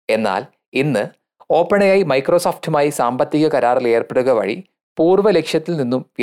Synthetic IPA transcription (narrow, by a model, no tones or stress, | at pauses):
e̞nːa̰ːl | inːɨ | o̞ːpːeɳɐjaːjimɐjkro̞ːsoːfʈumaːjisaːmbɐt̪ːiɣɐkɐɾaːrile̞ːrpeɽuɣɐʋɐ̰ɻḭ | puːrʋɐlekʂjɐt̪ːilninːumʋ